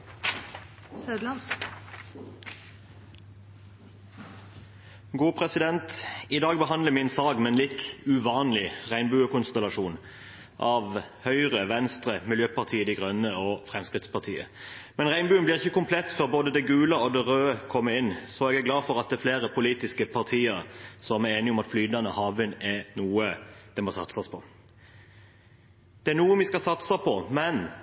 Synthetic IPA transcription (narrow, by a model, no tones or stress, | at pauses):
ød̪lɑ | ɡuːpʰʁɛsɪd̪ɛnt̪ɪd̪ɑːɡ̚bəɦɑnd̪ləmɪnsɑːɡmɛnlɪt̪ʉʋɑːnlɪʁæɪnbʉːəkʊnst̪ɛlɑʃuːn | ʔɑːʋhœʏʁəʋɛnst̪ʁəmɪljøːpɑʁt̪ʰiːəd̪ɛɡʁœnəoːfɾɛmskʁɪt̪spʰɑɾt̪ʰḭːə̰mɛnʁæɪnbʉːənblɪʁɪçːəkʊmpʰlɛt̪ːfɔɾboːd̪əd̪ɛɡʉːləɔd̪ɛʁøːəkʰɔmːəɪnːsɔɛɡæɡlɑːfɔɾɑt̪̚d̪ɛæfleːɾəpʰʊliːt̪ɪskəpʰɑʁt̪ʰiːəɾsɔmæɾeːnɪɔmɑt̪flyːd̪nɑnəhɑːʋɪnɛnuːəd̪̥ɛmɔsɑ̰t̪sɑspʰɔ | d̪̥ɛæɾnuːəmʋɪskɑsɑt̪səpʰɔmɛn